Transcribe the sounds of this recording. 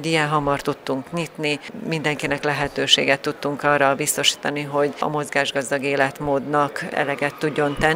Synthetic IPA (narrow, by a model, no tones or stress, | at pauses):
ɟijɛnɦɒmɒrt̪ut̪ːuŋkɲit̪nimind̪ɛŋkinɛklɛɦɛt̪øːʃḛːɡɛt̪ːut̪ːuŋkɒːrɒbist̪o̞ʃi̥ːt̪ɒniɦo̞ɟɒ̰mo̞zɡaːʒɡɒzd̪ɒɡeːlɛt̪moːd̪nɒkɛ̰lɛɡɛt̪ːuɟːo̞nt̪ɛn